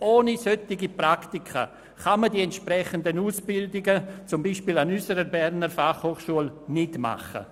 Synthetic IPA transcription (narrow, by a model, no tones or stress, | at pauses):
ʔoːnisœtɪɡipraktɪkʰə̰ | χamədiɛntʃprɛχəndənuːsb̥ɪldɪɡət͡sʊmbiːʃpiːlanysəɾəɾbɛrnəɾfaχhoːχʃuəlnɪtma̰χə̰